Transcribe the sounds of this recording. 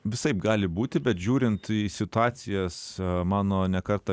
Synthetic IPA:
ʋʲɪsɐɪpɡɑːlʲɪbuːt̪ʲɪbʲɛt̪ʒʲuːɾʲɪnt̪isʲɪt̪ʊɑːt͡ssʲɪjɛsmɑːnoːnʲɛkɐɾt̪ɐ

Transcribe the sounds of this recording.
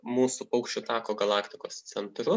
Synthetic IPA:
muːsupɐʊkʃʲt͡ʃʲʊt̪ɑːkoːɡɐlˠɑːkt̪ʲɪkoːst̪sʲɛnt̪ɾʊ

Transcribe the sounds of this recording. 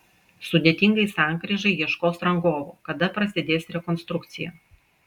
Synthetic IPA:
sʊd̪ʲeːt̪ʲɪŋɡɐɪsɑˑŋkɾʲiʒɐɪjiɛʃkoːsɾɐŋɡoːʋoːkɐd̪ɐpɾɐsʲɪd̪ʲeːsɾʲɛkɔnst̪ɾʊk̚t̪sʲɪjɛ̰

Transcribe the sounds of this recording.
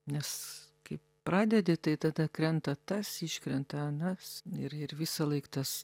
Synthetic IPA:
nʲɛs | kɐɪp | pɾɑːd̪ʲɛd̪ʲɪt̪ɐɪt̪ɐd̪ɐkɾʲɛnt̪ɐt̪ɐsiʃʲkɾʲɛnt̪ɐɐnɐsɪɾɪɾʋʲɪsɐlˠɐɪkt̪ɐs

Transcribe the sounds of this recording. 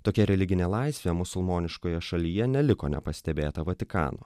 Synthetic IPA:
t̪oːkʲɛɾʲɛlʲɪɡʲɪnʲeːlˠɑɪsʲʋʲemʊsʊlˠmoːnʲɪʃkoːjɛʃɐlʲiːjɛnʲɛlʲɪko̰ːnʲɛ̰pɐsʲt̪ʲɛbʲeːt̪ɐʋɐt̪ʲɪkɑ̰ːno̰ː

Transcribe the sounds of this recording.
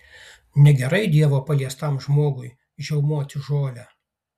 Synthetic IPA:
nʲɛɡʲɛɾɐɪd̪ʲiɛʋoːpɐlʲiɛst̪ɐmʒmoːɡʊj | ʒʲɛʊmoɔt̪ʲʊʒoːlʲæ

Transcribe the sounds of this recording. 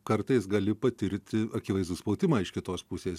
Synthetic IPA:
kɐɾt̪ɐɪsɡɐlʲɪpɐt̪ʲɪɾʲt̪ʲɪɐkʲɪʋɐɪzd̪ʊspɐʊt̪ʲɪmɑɪʃkʲɪt̪oːspʊsʲeːs

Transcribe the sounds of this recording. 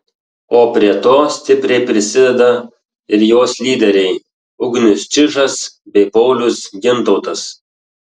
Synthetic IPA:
oːpʲɾʲiɛt̪oːsʲt̪ʲɪpʲɾʲɛɪpʲɾʲɪsʲɪd̪ʲɛd̪ɐ | ɪɾjoːslʲiːd̪ʲɛɾʲɛɪ | ʊɡnʲɪst͡ʃʲɪʒɐsbʲɛɪpɔʊlʲʊsɡʲɪnt̪ɔʊt̪ɐs

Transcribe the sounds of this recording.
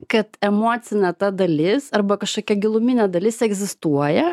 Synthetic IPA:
kɐt̪ɛmoːt̪sʲɪnʲɛt̪ɐd̪ɐlʲɪsɐɾbɐkɐʃkoːkʲɛɡʲɪlˠʊmʲiːnʲɛd̪ɐlʲɪsɛɡzʲɪst̪uɔjɛ

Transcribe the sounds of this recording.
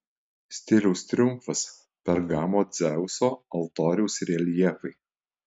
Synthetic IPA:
sʲt̪ʲɪlʲɛʊst̪ʲɾʲʊmfɐs | pʲɛɾɡɑːmoːd̪zʲɛʊsoːɐlˠt̪oːɾʲɛʊsɾʲiɛlʲjiɛfɐɪ

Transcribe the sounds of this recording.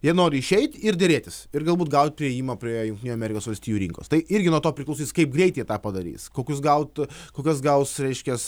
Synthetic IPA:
jiɛnoːɾʲɪɪʃʲɛɪt̪ʲɪrd̪ʲeɾʲeːt̪ʲɪsɪrɡɐlˠbuːt̪̚ɡɐʊt̪̚ʲpʲɾʲɪɛjiːmɐpʲɾʲiɛjʊŋkt̪ʲɪnuɐmʲɛːɾʲɪkoːsʋɐlʲsʲt̪ʲiːjuːɾʲḭŋko̰ːst̪ɐɪɪɾʲɡʲɪnuɔt̪oːpʲɾʲɪklˠɐʊsʲiːskɐɪp̚ɡɾʲɛɪt̪ʲɛɪt̪ɑːpɐd̪ɐɾʲḭːskoːkʲʊsɡɐʊt̪koːkʲɐs̬ɡɐʊsɾʲɛɪʃʲkʲɛs

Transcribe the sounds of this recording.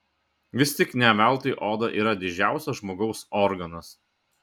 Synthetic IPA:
ʋʲɪst̪ʲɪknʲɛmʲɛˑlˠt̪ɐɪʔoːd̪ɐʔḭːɾɐd̪ʲɪd͡ʒʲæˑʊsʲɛsʒmoːɡɒʊsɔɾɡɐnɐs

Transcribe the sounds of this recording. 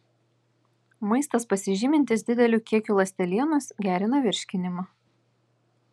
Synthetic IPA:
mɐɪst̪ɐspɐsʲɪʒʲiːmʲɪnʲt̪ʲɪsd̪ʲɪd̪ʲɛlʲuːkʲiɛkʲuːlˠɐsʲt̪ʲɛlʲiɛnʊsɡʲæːɾʲɪn̪ɐʋʲɪɾʲʃʲkʲɪnʲɪmɐ

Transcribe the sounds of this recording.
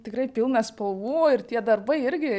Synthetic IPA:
t̪ʲɪkɾɐɪpʲɪlˠnɐspɐlˠʋuːɪrt̪ʲiɛd̪ɐrbɐɪɪɾʲɡʲɪ

